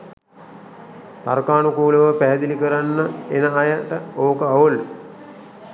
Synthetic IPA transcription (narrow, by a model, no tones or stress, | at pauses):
t̪aɾkaːnukuːləʋəpæɦːd̪ilikəɾanːəenəajaʈəoːkəaʋol